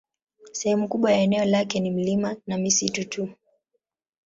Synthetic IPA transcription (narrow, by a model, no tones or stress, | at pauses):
sɛhɛmukuɓwajaɛnɛɔlakɛnim̩limanamisitutu